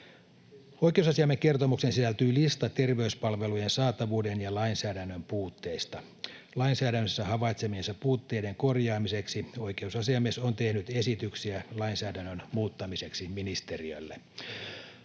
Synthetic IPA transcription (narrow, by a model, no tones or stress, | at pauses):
ojkeusɑsiɑmːekke̞rt̪omuksensisælt̪yːlist̪ɑt̪erʋeyspɑlʋelujensɑːt̪ɑʋuːdenjɑlɑinsæːdænːømpuːt̪ːe̞ist̪ɑ | lɑinsæːdænːøsːæhɑʋɑjt̪semiensɑpuːt̪ːe̞ide̞ŋkorjɑːmise̞ksiojke̞usɑsiɑmːesont̪ehnyt̪esit̪yksiælɑinsæːdænːønmuːt̪ːɑmise̞ksiminist̪eriø̰lːe